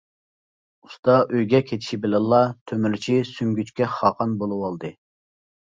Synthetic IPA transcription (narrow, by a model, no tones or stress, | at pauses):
ust̪ɑʔøjɡʲɛkʲʰet̪ʰɪ̥ʃibɪlɛnlːˠɑt̪ʰømyɾt͡ʃʰisyŋɡʲyt͡ʃkʲɛχɑːqɑnbolˠɨwɑlˠd̪ɨ